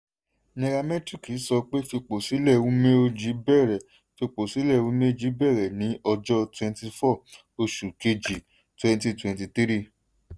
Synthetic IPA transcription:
nɛ̃˧ɾa˧mɛ̃˦tɾi˦˨ki˨˦sɔ˧k͡pe˦fi˧k͡po˨si˨˦lɛ˦˨˧wũ˦me˦o˧d͡ʒi˨˧˦bɛ˦˨ɾɛ˨ | fi˧k͡po˨si˨˦lɛ˦˨˧wũ˦me˦˧d͡ʒi˨˦bɛ˦˨ɾɛ˨nĩ˨˦ɔ˧d͡ʒɔ˦twɛ̃˧n˦ti˧fɔ˦˨ | o˧ʃu˨ke˧d͡ʒi˨ | twɛ̃˧nti˧twɛ̃˨nti˧t̪i˦ɾi˦˨

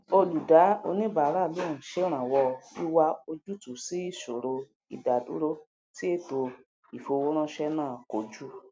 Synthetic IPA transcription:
o˧lu˨da˨˦o̰˧nĩ˦ba˨˦ɾa˦˨lõ˨˦ũ˨ʃe˦ɾ̃ã˨wɔ˧i˦wa˦o˧d͡ʒu˦tu˨si˨˦i˦˨ʃo˨ɾo˧ | ḭ˨da˨dṵ˨˦ɾo˦ | ti˦e˦˨to˧ | i˨fo˧wo˦ɾ̃ã˦ʃɛ˦nãː˦˨ko˨˦d͡ʒu˦

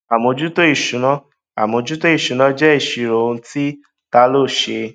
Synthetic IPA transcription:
a˨mõ˧d͡ʒu˦to˦i˦˨ʃũ˨˦nã˦ | a̰˨mõ˧d͡ʒu˦to˦i˦˨ʃu˨˦nã˦d͡ʒɛ˦i˦˨ʃi˧˨ɾo˨˧˦ti˦ | ta˦lo˦˨ʃe˧

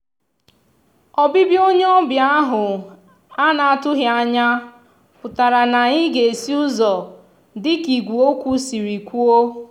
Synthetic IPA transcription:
ɔ˨bɪ˦bi˦o˦ɲe˦ɔ˦bja˦ɦʊ˨ | a˦na˨a˨tʊ˦ɦja˨ɲa˦ | pʊ˨ta˨ɾa˨na˨ɲɪ˦ɡe˨e˨si˦ʊ˦zɔ˨ | dɪ˦ki˨ɡʷu˨o˦kʷu˦si˨ɾi˨kʷu˦o˦

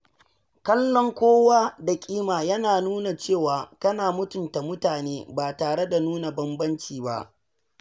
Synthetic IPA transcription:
kɐ˦lːɔ˦ŋkʷoː˦waː˦da˨kʲʼiː˦maː˨jɐ˦naː˨nuː˦na˨t͡ʃeː˦˨waː˨kɐ˦naː˨mʊ˦tʊ˨nta˨mʊ˦taː˨neː˦baː˨taː˨ɽe˦da˨nuː˦na˨bɐ˦mbɐ˦nt͡ʃiː˨ba̰˦ʔ

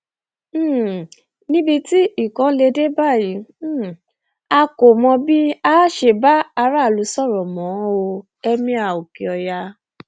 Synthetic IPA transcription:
nĩ˦bi˧ti˦i˦˨kã˧˦le˧de˦ba˦˨ji˨˦˨ | a˧ko˨mɔ̃˧bi˦a˦ʃe˧˨ba˦a˧ɾa˦˨lu˨˦sɔ˦˨ɾɔ̃˨mɔ̃˨˦o˧ | ɛ˧mĩ˧˦a˨o˨ke˨ɔ˧ja˧

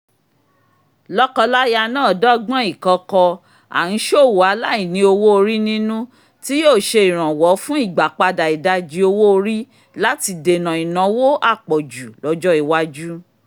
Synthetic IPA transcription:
lɔ˦kɔ˧la˦ja˧nãː˦˨dɔ˦ɡ͡bã˦i˦˨kɔ̃˨˧˦kɔ˧ | a̰˨ñ̩˨˦ʃo˦˨wu˨a˨˦la˦i˨nĩ˧˦o˧wo˦o˧ɾi˦nĩ˦nũ˦ | ti˦joː˦˨ʃe˧i˨ɾ̃ã˨wɔ˨˦fũ˦i˦˨ɡ͡ba˨k͡pa˧da˨i˨da˧d͡ʒi˨˧o˧wo˦o˧ɾi˦ | la˦ti˧de˨nã˨i˨nã˨˦wo˦ʔa˦˨k͡pɔ˨d͡ʒu˨lɔ˨˧˦d͡ʒɔ˦i˨wa˦d͡ʒu˦

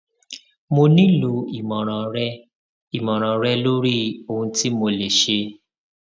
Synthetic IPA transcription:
mo˧nĩ˦lo˨˧i˨mɔ̃˨ɾ̃ã˨ɾɛ˦ | i˨mɔ̃˨ɾ̃ã˨ɾɛ˦lo˦ɾi˦o˦˧hũ˧ti˦mo˧le˨ʃe˧

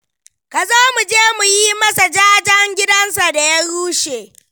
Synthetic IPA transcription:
ka˨zoː˦mu˨d͡ʒeː˦mu˨jiː˦mɐ˦sa˨d͡ʒaː˦d͡ʒɐ˦ŋɡʲɪ˦dɐ˦nsa˨da˨ja˦ɽuː˦ʃeː˨

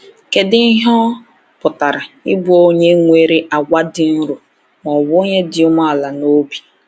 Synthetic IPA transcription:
ke˨dɪ˦ɪ˦ɦɔ˦ | pʊ˨ta˨ɾa˨ɪ˦bʊ˦˨o˦ɲe˦ŋʷe˦˨ɾi˦ʔa˨ɡʷa˦dɪ˨n̩˦ɾʊ˨ | mɔ˨bo˦ɲe˦dɪ˨ʊ˦ma˦a˨la˨no˦bi̥˨

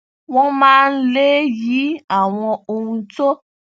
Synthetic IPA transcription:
w̃ɔ̃˦mãː˦n̩˦le˦ji˨˦a˨w̃ɔ̃˧o˧ũ˧to˦

